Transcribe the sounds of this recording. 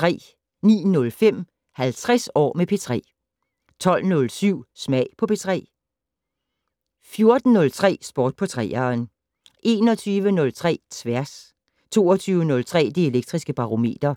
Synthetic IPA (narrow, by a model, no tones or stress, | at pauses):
t͡sʁɛ̰ː | nḭːnɔ̽lfem̰ | hælt͡sʰʁɛsɒ̰ːmepʰe̝t͡sʰʁɛ̰ː | t͡sʰɒ̽l̰nɔ̽lsyʊ̰smɛɪ̰pʰɒ̽pʰe̝t͡sʰʁɛ̰ː | fjo̝ɐd̥n̩nɔ̽lt͡sʰʁɛ̰ːsb̥ɒːd̥̚pʰɒ̽t͡sʰʁɛːɐn | ʔe̝ːnɒ̽t͡sʰyːʋənɔ̽lt͡sʰʁɛ̰ːt͡sʰʋæɐs | t͡sʰo̝̰ːɒt͡sʰyːʊənɔ̽lt͡sʰʁɛ̰ːd̥ieleɡ̥̚d̥ʁisɡ̥əb̥ɑ̈ʁo̝me̝̰ːd̥ɐ